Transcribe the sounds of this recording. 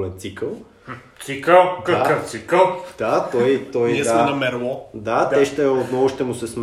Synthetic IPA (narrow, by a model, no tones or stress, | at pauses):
lɛnt̪sikəlˠ | t̪sikəlˠkɐkəft̪sikəlˠd̪̥at̪ɔjt̪ɔjisamɛnɐmɛɾlˠɔd̪at̪ɛʃt̪ɛot̪nɔɡʊʃt̪ɛmʊsɛsm